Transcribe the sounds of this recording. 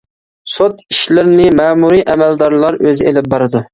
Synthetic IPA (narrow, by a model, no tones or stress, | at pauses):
sot̪iʃlɪɾɪnɪmɛːmuɾiʔɛmæld̪ɑɾlˠɑɾøzɪḛlɪp̚bɑɾɨd̪u